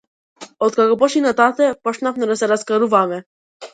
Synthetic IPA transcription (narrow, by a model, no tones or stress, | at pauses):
ɔt̪kakɔpɔʃinat̪at̪ɛpɔt͡ʃnafnɛd̪asɛɾaskaɾuvamɛ